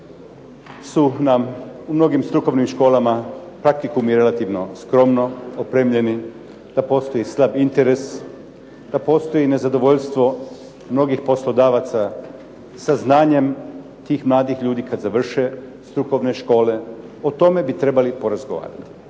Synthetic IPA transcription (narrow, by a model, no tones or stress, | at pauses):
sunamumno̞ɡimst̪ɾuko̞ʋnimʃko̞ːlamapɾak̚t̪ikumiɾe̞lat̪iːʋno̞skɾo̞mno̞opɾeːmʎe̞ni | d̪̥apo̞ːst̪o̞jislˠabint̪eɾe̞s | d̪̥apo̞ːst̪o̞jine̞zad̪o̞ʋo̞ʎst̪ʋo̞ | mno̞ɡixpo̞slo̞d̪aːʋat̪sa | saznaːɲe̞m | t̪iːxmlˠaːd̪ixʎuːd̪iːkad̪zaʋr̩ʃe̞ | st̪ɾuko̞ʋneʃko̞ːle̞ | ot̪o̞me̞bit̪ɾe̞balipo̞ɾazɡo̞ʋa̰ːɾa̰t̪i̥